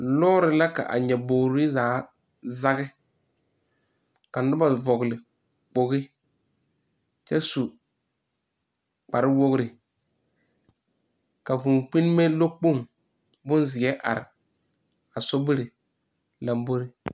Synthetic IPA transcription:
lɔː˦ɾɪ˨la˦ka̰˨ʔa̰˨ɲɛ˨bo˨ɾi˦zaː˨˦ | za˦ɣɪ˦ | ka˨nʊ˦ba˨vɔ˨ɣlɪ˨ | k͡po˨ɣɪ˦ | t͡ʃɛ˦su˨ | k͡pa˨ɾɪ˦wo˦ɣɾɪ˨ | ka˨vu˨ŋ˨k͡pi˦n˦me˦lo˦k͡pu˦˨ŋ | bʊ˦nzɪ˨ɛ˦ʔa̰˨ɾɪ̰˨ | a˨so˦bɪ˦ɾɪ˨ | la˨mbo˦ɾi˦

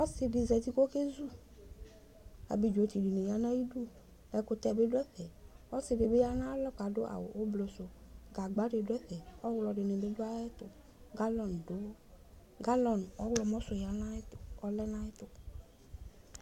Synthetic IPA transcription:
ɔ˦sɪ˨ɖɪ˨zɛ˨t̪i˦ko˦ke˦zu˦ | a̰˨bi˨d͡ʒo˨˦t̪i˨ɖi˨ne˨ja˦nã˦ji˦du˦ | ɛ˨˦kʊ˦t̪ɛ˨be˦do˦ɛ˦ɸɛ˨ɔ˦sɪ˨ɖe˨be˦ja˦nã˦lɛ˦ka˨do˦ʔa̰˨wo̰˨wo˦blo˨so˨ɡa˨ɡ͡ba˦ɖe˨dʊ˦ɛ˦ɸɛ˨ɔ˦wlɔ˨ɖɪ˨ne˨be˦do˦a˦ɛ˦t̪ʊ˨ | ɡa˦lɔ˨n˨do˨˦ | ɡa˦lɔ˨nɔ˦wlɔ˨mɔ̃˦sʊ˨ja˨nã˦t̪ɔ˦lɛ˦nã˦e˦t̪ʊ˨

